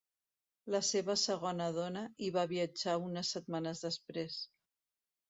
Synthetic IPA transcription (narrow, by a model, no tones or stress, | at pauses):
ləseβəsəɣ̞ɔnəð̞ɔnəiβaβiəd͡ʒaunəsːət̪manəzðəspɾes